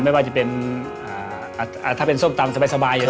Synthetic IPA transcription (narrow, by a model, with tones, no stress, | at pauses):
ma˥˩jwaː˥˩t͡ɕa˨˩pe˧nʔʔaː˨˩˧ | t̪ʰaː˥˩pe˧nso˥˩mt̪a˧msa˧baː˧jsa˧baː˧ja˨˧